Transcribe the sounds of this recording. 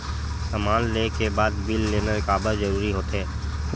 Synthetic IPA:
sɐmaːllekebaːd̪bɪlːeːneɾɪkaːbəzɐɾuːɾiɦoːt̪ɦɛː

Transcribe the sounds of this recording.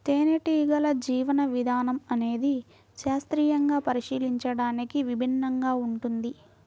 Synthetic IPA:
t̪eːneʈiːɡɐlɐd͡ʒiːʋɐnɐʋid̪ʱaːnɐmɐne̞ːd̪i | ʃaːst̪ɾiːjɐŋɡaːpɐɾiʃiːliɲt͡ʃɐɽaːnikiʋibʱinːɐŋɡaːuɳʈund̪i

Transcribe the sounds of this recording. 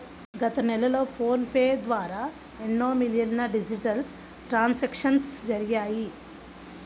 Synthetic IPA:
ɡɐt̪ɐnɛlɐlo̞ːpʰoːnpeːd̪ʋaːɾaː | enːoːmilijɐnːɐɖid͡ʒiʈɐɾs | ʈɾaːnsekʂɐnsd͡ʒɐɾijaːji

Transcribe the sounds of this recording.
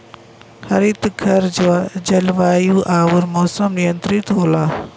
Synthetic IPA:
xɐɾiːt̪ɡʰʱɐɾd͡ʒad͡ʒɐlʋaːjuːʔaːʋʊɾmoːsəmnijənt̪ɾit̪ɦoːlaː

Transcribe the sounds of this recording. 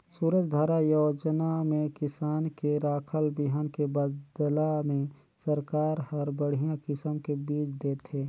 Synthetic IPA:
suːɾəd͡ʒd̪ʱaɾajoːd͡ʒnamẽkɪsaːnkeɾaːkʰəlbɪɦənkebədd̪lamẽ | səɾkaːɾhɐɾbəɽ̤ijãkɪsəmkebiːt͡ʃʰd̪eːt̪ʰeː

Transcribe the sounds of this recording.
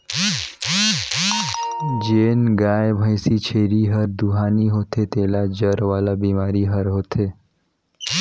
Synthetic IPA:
d͡ʒeːnɡaːjbʱə̃ɪsit͡ʃʰeːɾiɦɐɾd̪uɦaːniɦoːt̪ʰet̪eːlad͡ʒəɾʋaːlabiːmaːɾiɦɐɾɦoːt̪ʰeː

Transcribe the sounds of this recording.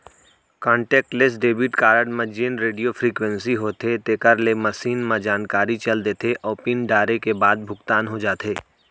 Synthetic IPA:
kɔ̃ːɳʈɛːk̚ʈles̬ɖeːbiːʈkaːɾəɖmẽd͡ʒiːnɾeːɖijofɾiːkwə̃nsiɦoːt̪et̪eːkəɾlemɐʃiːnmãd͡ʒaːnkaːɾit͡ʃɐld̪eːt̪ʰeʔɔːpinɖaːɾekebaːd̪̚bʱʊɡt̪aːnɦod͡ʒaːt̪ʰeː

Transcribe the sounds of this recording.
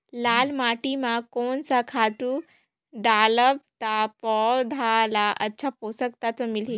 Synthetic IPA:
laːlmaːʈimãkoːnsakʰaːʈu | ɖaːləb̚t̪apɔd̪ʱalaʔɐ̰tːɕʰapoːsəkt̪at̪ɐmɪli

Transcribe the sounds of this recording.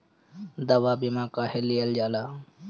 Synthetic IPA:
d̪ɐwaːbimãːkaːhelijəld͡ʒaːlaː

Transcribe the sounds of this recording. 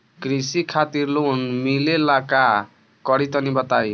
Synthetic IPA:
krisikʰat̪irlonmilelaka | kʌɾit̪ʌnibʌt̪aj

